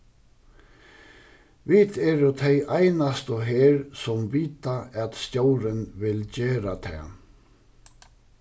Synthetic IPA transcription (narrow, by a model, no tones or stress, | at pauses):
vɪt̪ɛɾʏt̪ʰejʔajnast̪ɔɦeːɾsɔmviːt̪aʔɛt̪st̪jowɾɪnvɪlt͡ɕeːɾat̪ʰɛ̰ː